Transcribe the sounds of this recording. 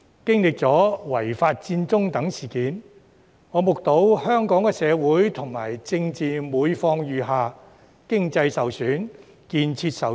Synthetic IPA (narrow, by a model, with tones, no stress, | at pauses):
kɪ˥ŋlɪ˨k̚t͡sɔː˨˥wɐ˨˩jfaː˧t̚t͡siː˧nt͡sʊ˥ŋt̪ɐ˨˥ŋsiː˨˩kiː˨n | ŋɔː˨˧mʊ˨k̚t̪o˨˥whœː˥ŋkɔː˨˥ŋkɛː˧sɛː˨˧wuː˨˥jt̪ʰʊ˨˩ŋma̰ː˨˩jt͡sɪ˧ŋt͡siː˨muː˨˧jfɔː˧ŋjyː˨˧ɦaː˨˧ | kɪ˥ŋt͡sɐ˧jsɐ˨wsyː˨˥n | kiː˧nt͡sʰiː˧t̚sɐ˨